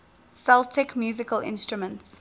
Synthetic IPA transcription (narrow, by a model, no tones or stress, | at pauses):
sɛltʰɪkmjuːzɪkəlʔɪ̰̃nstɹumə̃nts